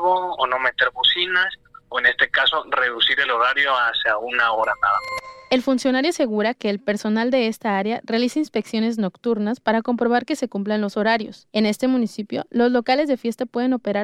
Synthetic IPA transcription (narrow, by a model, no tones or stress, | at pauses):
βoːno̞met̪e̞ɾβusinasoene̞st̪ekaso̞re̞ðusiɾe̞lo̞ɾaɾjoaseaunaoɾanaða̰mae̞lfunsjo̞naɾjoase̞ɣuɾake̞ːlpe̞ɾso̞nald̪e̞est̪aaɾjare̞alisainspe̞ksjo̞ne̞zno̞kt̪uɾnaspaɾako̞mpɾo̞βaɾke̞se̞kumplanlo̞so̞ɾaɾjo̞se̞ne̞st̪e̞mũnisipjo̞̰lo̞zlo̞kale̞zðe̞fje̞st̪apweðe̞no̞pe̞ɾa